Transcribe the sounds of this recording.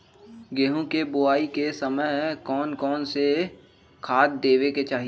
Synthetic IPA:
ɡeːɦõkebʊaːikesəməjkɔːnkɔːnse | kʰaːd̪̚d̪eːʋeket͡ʃaːɦi

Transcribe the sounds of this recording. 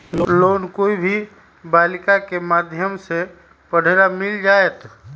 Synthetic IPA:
loːnkoibʱi | baːlɪkakemaːd̪ʱjəmse | pəɽ̤eɾamɪld͡ʒaːet̪

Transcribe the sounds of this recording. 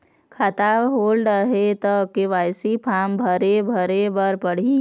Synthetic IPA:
kʰat̪aɦoːlɖəɦet̪əkeʋaːjsipʰaːmbʱəɾebʱəɾebəɾpəɽ̤i

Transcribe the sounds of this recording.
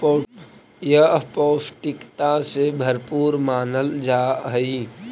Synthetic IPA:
jɐpɔːʊsʈɪkt̪asebʱɐɾpuːɾmaːnəld͡ʒaːɦəi

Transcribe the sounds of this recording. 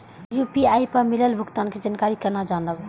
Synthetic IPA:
jupiaipəmiləlbʱuɡt̪aːnked͡ʒankaːɾikəɾnad͡ʒaːnəb

